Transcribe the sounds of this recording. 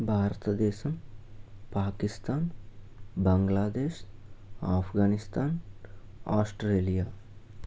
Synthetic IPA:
bʱaːɾt̪əd̪eːʃɐm | paːkɪst̪aːn | bɐ̃ŋɡlaːd̪eːʃ | aːpʰɡaːnɪst̪aːn | aːsʈɾeːlijaː

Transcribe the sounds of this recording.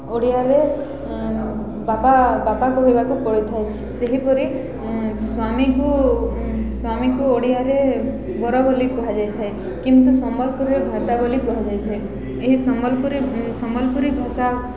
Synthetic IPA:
oɽijaɾe | bapabapakuɦojbakupɔɽit̪ʰae | seɦipɔɾi | swamiku | swamikuoɽijaɾe | bɔɾɔbɔlikuɦad͡ʒajt̪ʰae | kint̪usɔmbɔlpuɾiɾebʱat̪abɔlikuɦad͡ʒajt̪ʰae | eɦisɔmɔlpuɾisɔmɔlpuɾibʱasa

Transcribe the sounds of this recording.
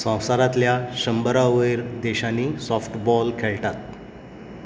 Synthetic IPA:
sə̃w̃saɾat̪ljaɕəmbəɾaʋəjɾd̪eɕanːiːsɔfʈbɔlkʰeɭʈat̪̚

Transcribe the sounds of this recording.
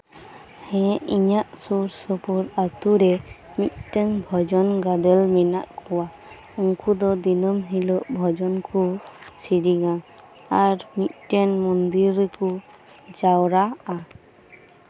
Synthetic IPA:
hɛ̃ʔiɲaʔsuɾsɔpuɾat̪uɾɛ | mit̪̚ʈɛnbʱɔd͡ʒɔnɡad̪ɛlmɛna̰ʔkɔwa | uŋkʰud̪ɔd̪inɔmɦilɔʔbʱɔd͡ʒɔnkʰusiɾiɡa | aɾmit̪̚ˀʈɛnmɔnd̪iɾku | d͡ʒawɾaa

